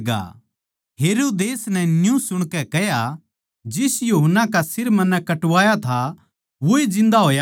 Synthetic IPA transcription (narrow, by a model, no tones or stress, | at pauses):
ɡa̰ | ɦeːɾoːd̪eːsnɛnjũsʊɽ̃kɛkɛɦja | d͡ʒɪsjuɦənːakasɪɾmɐnːɛkɐʈʋaːjat̪ʰa | ʋoid͡ʒɪ̃nd̪aɦoːja